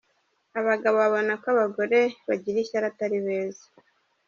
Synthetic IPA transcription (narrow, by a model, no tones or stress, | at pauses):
aβaɡaβoβaβonakwaβaɡo̞ɾe̞βaɟiɾiçaɾataɾiβeːzḁ